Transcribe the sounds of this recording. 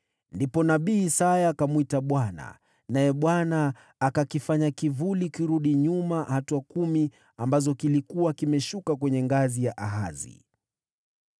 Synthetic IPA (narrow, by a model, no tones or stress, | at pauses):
ndipɔnaɓiːsajakamwitaɓwana̰ | najɛɓwanaː | kakifaɲakivulikiɾuɗiɲumahatuakumi | ambazɔkilikuwakimɛʃukakwɛɲɛŋɡazijaʔaɦazḭ